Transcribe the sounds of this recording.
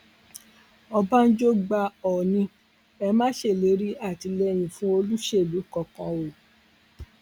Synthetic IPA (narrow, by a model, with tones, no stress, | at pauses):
ɔ˧ba˦n̩˦d͡ʒo˦ɡ͡ba˧ɔ˨nĩ˧ | ɛ˧mãː˦ʃe˦˨le˨˦ɾi˦a˦˨ti˨˧lɛ˧j̃ĩ˧fũ˦o˧lu˦ʃe˦˨lu˨˦kɔ˨kã˧o˨